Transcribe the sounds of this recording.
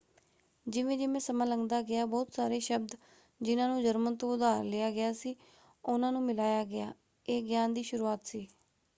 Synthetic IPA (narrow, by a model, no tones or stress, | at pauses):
d͡ʒɪʋẽːd͡ʒɪmẽːsəmãːləŋɡd̪aːɡɪaːbɔːt̪saːɾeːʃəbd̪ | d͡ʒɪnãːnũːd͡ʒəɾmənt̪oːʊd̪aːɾleːaːɡɪaːsiː | ʊnãːnũːmɪlaːjaːɡɪaː | eːɡjaːnd̪iːʃʊɾuːaːt̪siː